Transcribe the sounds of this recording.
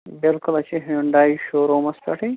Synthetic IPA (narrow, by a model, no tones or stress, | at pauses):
bɪlkʊlɐt͡ʃʰiɦiuɳɖaːiʃoːɾoːmɐspʲɐʈʰĩ